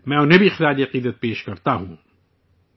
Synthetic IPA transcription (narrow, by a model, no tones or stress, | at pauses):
mɛ̃ːʊnɦẽbʱiɪxɪɾaːd͡ʒiɐqiːd̪ət̪̚peːʃkɐɾt̪aɦũː